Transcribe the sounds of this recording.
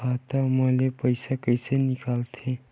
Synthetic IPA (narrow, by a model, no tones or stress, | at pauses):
at̪aməlepəjsakəjsenikalt̪ʰe